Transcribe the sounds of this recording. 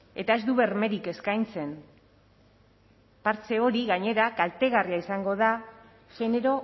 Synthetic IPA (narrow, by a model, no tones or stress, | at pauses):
e̞t̪ae̞zd̪uβe̞rme̞ɾike̞skajnt͡se̞n | paɾt͡se̞o̞ɾiɣaɲe̞ɾakalt̪e̞ɣariaisaŋɡo̞ð̞a | ʝe̞ne̞ɾo̞